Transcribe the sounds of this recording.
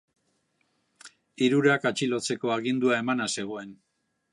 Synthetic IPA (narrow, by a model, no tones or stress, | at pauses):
iɾuɾakat͡ʃilo̞t͡se̞ko̞aɣind̪uae̞manase̞ɣ̞o̞e̞n